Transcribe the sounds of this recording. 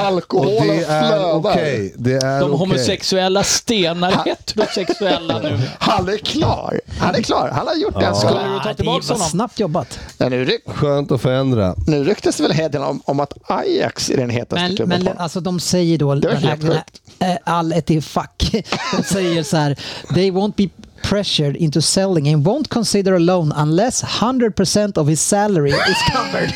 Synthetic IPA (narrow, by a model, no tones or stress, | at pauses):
alkɔhod̪ɛæløɔd̪akɛjd̪ɛæd̪ɔmɦʊmʊsɛksɵɛlːast̪eːnaɾhet̪ʰːəd̪ɔmsɛksɵɛlːanʉ̟ːhanæɾkʰlɑ̰ːɾhanæɾkʰlɑ̰ːɾhanhajʊʈːd̪ɛhask̪ːəj̪ʰɑːt̪ʰɪlbksɔsnap̚t̪jɔbːat̪ɛ̰nʉɾɧøːnt̪ɔfœɾɛnd̪ɾa̰nʉ̟ːɾʏkt̪əsd̪ɛvɛlɦed̪ənɔ̰mɔmat̪aja̰ksɪ̰ɖɛnɦeːt̪amɛnmɛ̃nʔalsɔd̪ɔmsɛjːəɖoːd̪ɛaɛɡ̪t̪alɛt̪ɪfakːd̥̪ɔmsɛjəsɔhæːɾðeɪwõʊ̃nt̪̚bipʰɹɛʃəɖɪ̃nt̪ʊsɛlɪ̃ŋɛ̃nwɔ̃ʊ̃nt̪̚kʰɔ̃nsɪd̪əɾəlõʊnãnlɛshʌnd̪ɾəd̪̚pʰəsɛ̃nt̪ɔvhɪssæləɹɪɪskʰavəd